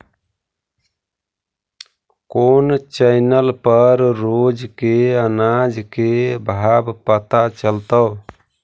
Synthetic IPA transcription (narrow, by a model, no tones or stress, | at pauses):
kont͡ʃəjnəlpəɾːod͡ʒkeənad͡ʒkebʱabpət̪at͡ʃəlt̪əw